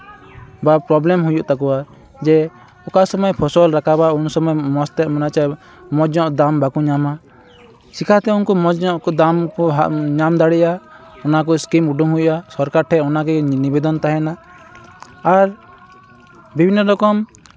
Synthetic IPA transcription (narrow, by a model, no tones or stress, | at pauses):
bapɾɔblɛmɦujuʔt̪akɔwa | d͡ʒɛ | ɔkasɔmɔjpʰɔsɔlɾakabaunsɔmɔjmɔst̪ɛʔmɔnat͡ʃa | mɔd͡ʒɲɔʔd̪ambakuɲama | sikʰat̪ɛunkɔmɔd͡ʒɔʔkɔd̪amkɔɦɲamd̪aɽɛʔa | ɔnak̬ɔskimuɖuŋɦujuʔasɔɾkaɾʈʰɛʔɔnaɡɛnibɛd̪ɔnt̪aɦɛna | ɾ | bibʱinːəlɔkɔm